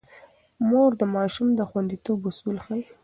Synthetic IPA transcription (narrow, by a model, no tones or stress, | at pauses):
moɾd̪əmɑʃumd̪əxwand̪it̪obusulxaj